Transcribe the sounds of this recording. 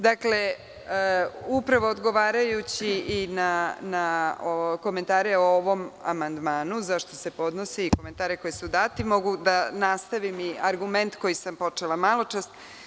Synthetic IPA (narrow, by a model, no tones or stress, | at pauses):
d̪akle | upɾaʋo̞ːd̪ɡo̞ʋaːɾajut͡ɕiʔinanaoko̞ment̪aːɾeooʋo̞ma̰mand̪maːnuzaʃt̪o̞se̞po̞d̪no̞siikoment̪aːɾeko̞jesud̪aːt̪imo̞ɡud̪anast̪aʋimiaɾɡume̞nt̪ko̞jisampo̞t͡ʂelˠamalˠo̞t͡ʃast̪